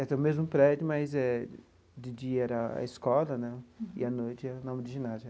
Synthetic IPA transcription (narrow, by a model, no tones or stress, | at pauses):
ɛt̪ɛ̃mezmʊpɾɛd͡ʒjʊmɐzɛ | dɪd͡ʒiɐɛɾɐa̰iskɔlɐnɛ̃ɪ̰ɐnojt͡ʃɪɛnɐ̃w̃mɪdiʒinad͡ʒ